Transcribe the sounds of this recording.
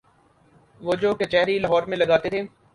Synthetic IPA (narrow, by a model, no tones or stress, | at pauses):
ʋoːd͡ʒoːket͡ʃɛːɾilɐɦɔːɾmẽlɐɡaːt̪et̪ʰeː